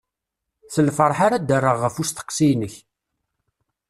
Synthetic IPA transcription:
θəlfəɾˤħaɾad̪ərˤːəʁːəfust̪ə̥qːsijnəç

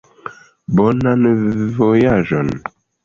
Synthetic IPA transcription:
bɔnanvojaʒɔn

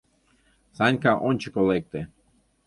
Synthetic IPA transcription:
sanʲkaʔonʲt͡ɕekolek̚t̪e

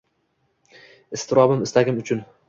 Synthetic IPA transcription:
ɪst̪ʰɪɾɒbɪmɪst̪aɡʲɪmʊt͡ʃʰʊn

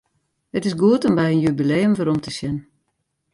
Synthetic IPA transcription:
hətɪsɡuətɔmbɛjənjybileːəmvəɾɔmtʰəsjɛn

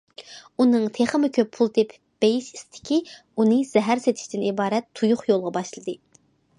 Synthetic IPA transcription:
unɨŋt̪ʰeχəmɪkʲʰøpʰːulˠt̪ʰep | b̥ejiʃi̥st̪ʰɪ̥kʲʰi | unɨz̥ɛɦæɾset̪ʰɪ̥ʃt̪ɪnibɑːɾɛt̪ʰːujuχjolˠʁɑbɑʃlˠɨd̪ɨ

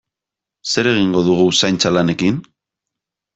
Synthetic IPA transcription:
se̞ɾe̞ɣiŋɡo̞ðuɣ̞usajnt͡salane̞kin

